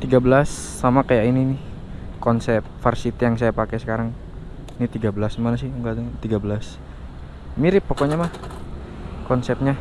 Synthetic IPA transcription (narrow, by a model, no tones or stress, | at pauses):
t̪iɡabəlasːamakajaʔininɪh | kɔnsɛp̚fərsit̪ijaŋs̬ajapakɛsə̥kaɾaŋ | nit̪iɡabəlasmanas̬ɪhuŋɡadaŋt̪iɡabəlas | miɾɪpːokoɲamah | kɔnsɛp̚ɲa